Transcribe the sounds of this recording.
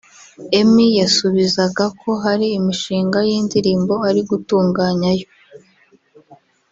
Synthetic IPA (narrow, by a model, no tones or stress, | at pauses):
e̞mijasuβizaɡakʰo̞ɦaɾiːmiʃiːŋɡajiːndiɾiːmbo̞aɾiɡutuːŋɡaːɲajo